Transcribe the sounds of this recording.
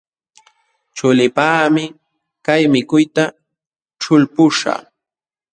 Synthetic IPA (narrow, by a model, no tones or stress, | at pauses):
t͡ʃʊlɪpaːmɪ | kajmɪkʊjt̪a | ʈ͡ʂʊlpʊʂa̰